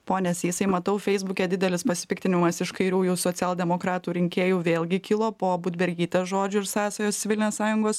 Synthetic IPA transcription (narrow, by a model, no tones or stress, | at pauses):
poːnʲɛsjɪsɐɪmɐt̪ɐʊfʲɛɪzbʊkʲɛd̪ʲɪd̪ʲɛlʲɪspɐsʲɪ̥pʲɪk̚t̪ʲɪnʲɪmɐsɪʃkɐɪɾʲuːjuːsoːtsʲɪɛːlˠd̪ʲɛmoːkɾɑːt̪uːɾʲɪŋʲkʲeːjuːʋʲeːlʲˠɡʲɪkʲɪlˠoːpoːbʊd̪ʲbʲɛɾʲɡʲiːt̪ʲɛsʒoːd͡ʒʲʊɪɾsɑːsɐjoːsʲʋʲɪlʲnʲoːssɑːjʊŋɡoːs